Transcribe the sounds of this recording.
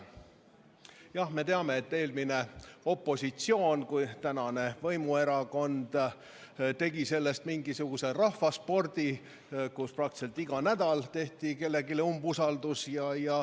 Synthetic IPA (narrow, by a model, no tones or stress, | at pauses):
jɑhme̞t̪e̞ɑme̞et̪ːe̞ːlmine̞o̞pːˑo̞sʲit̪sio̞ːnkujt̪ænɑne̞vɤjmue̞ɾɑko̞nd̪̥ | t̪e̞ɡise̞lːest̪miŋɡisuɡ̥use̞rɑhfɑspo̞rd̪̥i | kusprɑk̚t̪i̥se̞lt̪ːˑiɡ̥ɑnæd̪̥ɑlt̪e̞ht̪ike̞lːe̞ɡileumbusɑld̪̥usjɑjɑ